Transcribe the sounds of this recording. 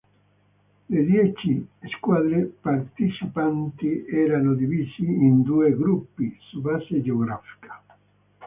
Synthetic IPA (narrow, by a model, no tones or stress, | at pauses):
led̪jɛt͡ʃiskwaðɾepaɾt̪it͡ʃipant̪iɛɾanod̪ivisiind̪ueɡɾupːisubased͡ʒeoɡɾafi̥kḁ